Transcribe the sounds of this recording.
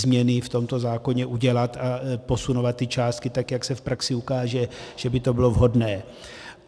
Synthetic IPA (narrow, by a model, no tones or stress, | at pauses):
zmɲɛnɪft̪o̞mt̪o̞zaːko̞ɲɛʔuɟɛlat̪apo̞sunovat̪ːɪt͡ʃaːst̪̚kɪt̪akjaksɛfpɾaksɪukaːʒɛʒ̥ɛbɪt̪o̞bɪlo̞vɦo̞dnɛː